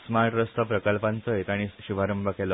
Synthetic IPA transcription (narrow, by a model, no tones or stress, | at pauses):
smaɾʈɾəst̪ʰəpɾəkəlpant͡sɔjet̪aɽ̃iɕuʋ̤aɾəmbʱəkelɔ